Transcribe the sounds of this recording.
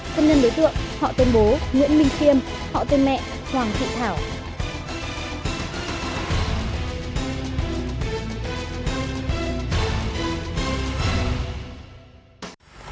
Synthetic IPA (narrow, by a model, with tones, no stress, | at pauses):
t̪ʰə˧nːi˧nɗo˨˦jt̪wḭ˧˨ənhɔ̰˧˨t̪wi˧ənɓo˨˦ŋḭ˧˥ənmï˧˩ŋ̟t͡ɕi˧əm | hɔ̰˧˨t̪wi˧nmɛ̰˧˨ʔ | t̪ʰwaː˨˩ŋt̪ʰḭ˧˨t̪ʰaː˧˩w